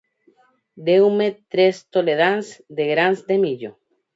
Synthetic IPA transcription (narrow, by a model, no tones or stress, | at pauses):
d̪ewmet̪ɾest̪oleðansd̪eɣɾansd̪emiʎo